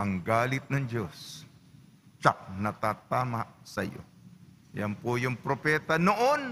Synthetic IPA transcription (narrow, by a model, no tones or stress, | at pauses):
ʔɐŋɡaːlɪt̪̚nɐŋd͡ʒos | t͡ʃak̚nɐt̪aːt̪aːmaʔsɐjo̰ | jɐ̰npojʊŋpɾopɛːt̪ɐnoʔon